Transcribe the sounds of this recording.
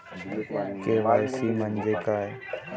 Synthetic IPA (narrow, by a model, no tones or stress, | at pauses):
keːʋaːsiːmənd͡ʒeːkaːe